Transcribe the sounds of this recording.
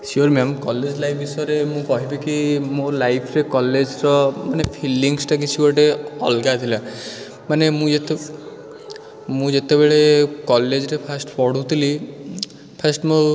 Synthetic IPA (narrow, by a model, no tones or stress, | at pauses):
sioɾmamkɔled͡ʒlajpʰisɔɾemũkɔɦibikimolajpʰɾekɔled͡ʒɾɔmanepʰiliŋsʈak̬it͡ʃʰikɔʈeɔ̰lɡat̪ʰila | manemũd͡ʒet̪e | mũd͡ʒet̪ebeɭekɔled͡ʒɾepʰasʈpɔɽ̤ut̪ʰili | pʰasʈmo